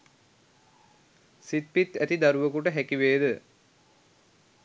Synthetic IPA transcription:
sit̪̚pit̪ːæt̪id̪aɾuʋəkuʈəɦækiʋeːd̪ə

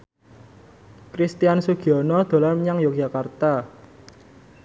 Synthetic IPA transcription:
kɾist̪ijansuɡ̥iɔnɔd̪̥o̤larməɲaŋjok̚ʒ̥a̤kart̪a

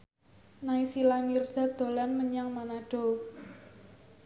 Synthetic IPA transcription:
naisilamird̪̥a̤d̪̥o̤lanməɲaŋmanaɖ̥o̤

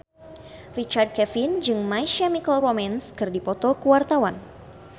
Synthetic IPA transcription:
rit͡ʃard̚kɛfind͡ʒɨŋmajʃamikəlromɛnskɨrdipɔt̪ɔkəwart̪awan

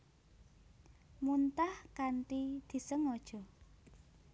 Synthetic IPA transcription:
munt̪ahkaɳʈid̪̥i̤səŋɔd̥ʒ̥ɔ̤

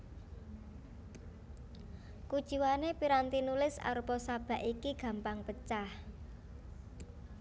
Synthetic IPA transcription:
kud̥ʒ̥i̤wanepiɾant̪inulɪsa̰ɾupɔsab̥a̤ʔikiɡ̥ä̤mpaŋpət͡ʃah

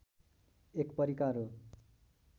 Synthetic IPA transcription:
ekpʌɾikaɾo

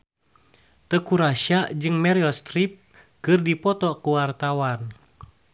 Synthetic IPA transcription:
t̪əkuɾaʃad͡ʒɨŋmɛɾiɔst̪ɾip̚ | kɨrdipɔt̪ɔkuwart̪awan

